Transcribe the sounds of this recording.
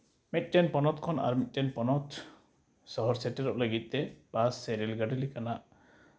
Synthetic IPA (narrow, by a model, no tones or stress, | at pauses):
mit̪̚ˀʈɛnpɔnɔt̪̚kʰɔna̰ɾmit̪̚ʈɛnpɔnɔt̪ | sɔɦɔɾsɛʈɛɾɔʔləɡit̪̚ˀt̪ɛbasːeɾilɡaɖilikanaʔ